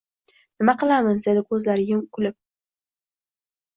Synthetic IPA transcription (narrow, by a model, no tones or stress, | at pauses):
nɪmaqɨlˠamɪzd̪ed̪ɪkʰɵzlaɾɪjʊmkʰʊlɪp̚